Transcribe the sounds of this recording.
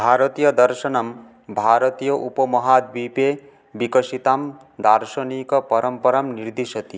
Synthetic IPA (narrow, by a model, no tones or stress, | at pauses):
bʱaːɾɔt̪ijɐd̪ɐɾʃɐnɐm | bʱaːɾɔt̪ijɔʔupɔmɔɦaːd̪̚bipe | bikɔʃit̪aːm | d̪aɾʃɐnikɔpɐɾɐmpɐɾamniɾd̪iʃɐt̪i